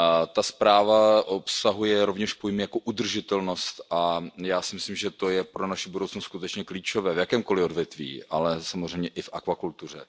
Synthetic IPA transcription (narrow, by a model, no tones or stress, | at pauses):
t̪aspɾaːvaʔopsaɦujɛɾovɲɛʃpojmɪjakoʔud̪r̩ʒɪt̪ɛlno̞st̪ʔajaːsɪmɪslimʒɛt̪o̞jɛpɾonaʃɪbudowt͡snostskut̪ɛt͡ʃɲɛkliːt͡ʃo̞vɛːvjakɛːmko̞lɪodvjɛt̪vḭːʔa̰lɛsamozr̝ɛjmɲɛʔɪfʔakvakult̪ur̝ɛ̰